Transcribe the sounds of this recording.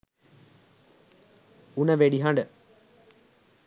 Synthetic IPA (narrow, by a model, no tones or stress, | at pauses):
unəʋeɖiɦaɳɖə